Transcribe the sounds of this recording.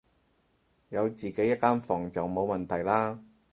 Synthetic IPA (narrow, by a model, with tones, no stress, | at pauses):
jɐ˨˧wt͡siː˨˩ke˨˥jɐ˥t̚kːaː˥nfɔː˨˩ŋt͡sɐ˨wmo˨˧wmɐ˨˩nt̪ʰɐ˨˩jlaː˥